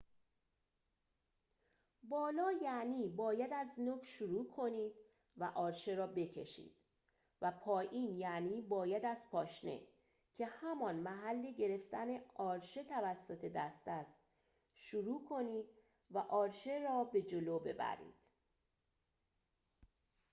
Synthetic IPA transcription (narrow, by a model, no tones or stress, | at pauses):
bɒːlɒːjæʔniːbɒːjæd̪æznoːkʃuɾuːkʰo̞niːd̪̥ | væʔɒːɾʃeɾɒːbe̞cʰe̞̰ʃḭːd̪̥ | væpʰɒːjiːnjæniːbɒːjæd̪æzpʰɒːʃne̞̰ | cʰe̞hæmɒnmæɦælːeɟe̞ɾe̞ft̪æne̞ɒːɾʃe̞t̪ʰævæsːo̞t̪ʰe̞d̪æst̪æst̪ | ʃuɾuːkʰo̞niːd̪̚ | væʔɒːɾʃe̞ɾɒːbe̞d͡ʒoloːbe̞̰bæ̰ɾḭːd̪̥